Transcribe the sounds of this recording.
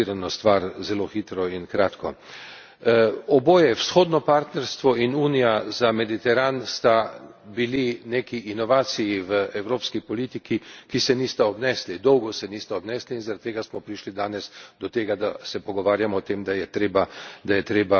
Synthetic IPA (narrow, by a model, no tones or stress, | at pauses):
iɾanɔst̪ʋaɾzɛloxiːt̪ɾɔinkɾaːt̪kʰɔ | ɔboːjɛwsxoːd̪nɔpaɾt̪nɛɾst̪ʋɔinuːnijazamɛd̪it̪ɛɾanst̪abilinekiʔːnɔʋaːt̪sijiʋəɛwɾoːpskipɔliːt̪ikikisɛniːst̪aɔbnɛːslid̪ɔwɡɔsɛniːst̪aɔbnɛːsliinzaɾat̪t̪ːeːɡasmɔpɾiʃlid̪aːnɛsd̪ɔt̪eːɡad̪asɛpɔɡɔʋaːɾjamɔːt̪eːmd̪ajɛt̪ɾeːbad̪ajɛt̪ɾeːba